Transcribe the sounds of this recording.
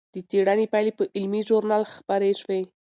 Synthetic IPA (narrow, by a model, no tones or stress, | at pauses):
d̪̥ət͡seɽanepajlepəʔɪlmiʒoɾnalxpaɾeʃwe